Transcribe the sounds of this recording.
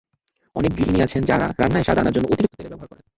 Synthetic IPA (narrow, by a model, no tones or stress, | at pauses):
ɔ̰nek̚bɾiiniat͡ɕʰend͡ʑaɾa̰ɾanːaeʃad̪ʱanaɾd͡ʑonːoʔot̪iɾik̚t̪ʰot̪eɾebɛboɦaɾkɔɾen